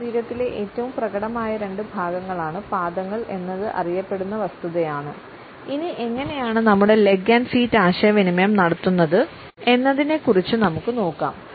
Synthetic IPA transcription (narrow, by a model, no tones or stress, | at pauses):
iːɾɐt̪ːile̞ʔeːtːɐʋumprɐɡɐɽɐmaːjɐɾe̞ɳɖɨbʱaːɡɐŋːɐɭaːɳɨpaːd̪ɐŋːɐɭʔe̞nːɐðɨʔɐ̰rijɐpːe̞ɽunːɐʋɐst̪uðɐjaːɳɨ | iniʔe̞ŋːɐne̞jaːɳɨnɐmːuɽe̞le̞ɡaːnsiːtːaːɕɐjɐʋinimɐjɐmnɐɽɐt̪ːunːɐðɨ | e̞nːɐðine̞kːurit͡ɕːɨnɐmukːɨno̞ːkːa̰ːm